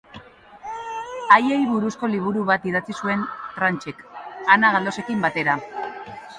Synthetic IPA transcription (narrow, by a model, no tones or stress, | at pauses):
aje̞jβuɾusko̞liβ̞uɾuβat̪iðat͡sisue̞nt̪ɾant͡ʃe̞kanaɣald̪o̞se̞kimbat̪e̞ɾa